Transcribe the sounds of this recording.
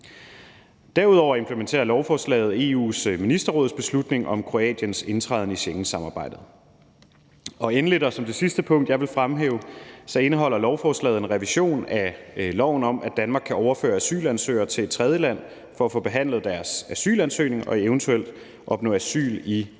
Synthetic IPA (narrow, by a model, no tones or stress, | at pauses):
d̥æɐuð̞ˠɒ̰ʊ̰ɐe̝mpʰlement͡sʰe̝̰ːɐlɒʊfɒːslɛ̰ːɪð̞̩ˠe̝ṵːsminisd̥ɐʁɔ̽ːð̩ˠsb̥e̝slud̥ne̝ŋʔɒ̽mkʰʁo̝ɛ̰ːd̥jənse̝nt͡sʰʁɑð̞ˠnəiɕeŋn̩sɑ̈mɑ̈ːb̥ɑ̈ɪ̰d̥ð̞̩ˠ | ɒ̽enəled̥ɐsɒ̽md̥e̝sisd̥əpʰɔ̽ŋ̰d̥jɑ̈ɪʋe̝lfʁamɦḛːʊsɒ̽e̝nəɦɒ̽l̰ɐlɒʊfɒːslɛ̰ːð̩ˠe̝nʁɛʋiɕo̝̰ːnælɒʊ̰n̩ɒ̽m̰ʔæd̥ænmɑ̈ːɡ̥̚kʰːæɒʊɐfø̰ːɐæsy̰ːlænsø̰ːɪɐt͡sʰe̝le̥t͡sʰʁɛð̞ˠjəlæn̰ | fɒ̽æfɔ̽ːb̥e̝ɦæn̰lð̞̩ˠd̥æɐsæsy̰ːlænsø̰ːne̝ŋɒ̽eʊnt͡sʰuel̰d̥ | ʔɒ̽b̥nɔ̰ːæsy̰ːli